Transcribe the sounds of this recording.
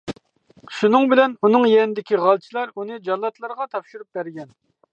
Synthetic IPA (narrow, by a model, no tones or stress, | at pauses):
ʃunɨŋbɪlɛnunɨŋjɛnɪd̪ɪkʲiʁɑlˠt͡ʃʰilˠɑɾunɨd͡ʒɑlˠːɑt̪lˠɑɾʁɑt̪ʰɑpʃuɾup̚bæɾɡʲɛn